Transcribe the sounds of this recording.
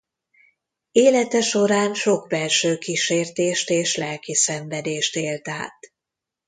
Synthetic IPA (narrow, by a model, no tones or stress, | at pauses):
eːlɛt̪ɛʃo̞ɾaːnʃo̞ɡbɛlʃøːkiʃeːrt̪eːʃt̪eːʃlɛlkisɛɱvɛd̪eːʃt̪eːlt̪a̰ːt̪